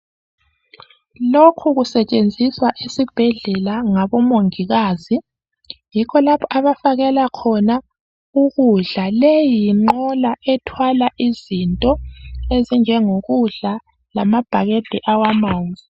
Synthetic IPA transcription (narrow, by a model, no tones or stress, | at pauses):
lokʰuɣusɛt͡ʃʼend͡zʱiswaʔisib̥ʱɛɮɛlaŋaβɔmoŋiɣaːzi | jikʰɔlapʰɔʔaβafaɣɛlakʰɔna | uɣuɮalejiŋ͡ǃɔlaʔɛtʰwalaʔizintʼɔezind͡ʒʱɛŋoɣuɮa | lamab̥ʱaɣed̥ʱɛʔawamand͡zʱi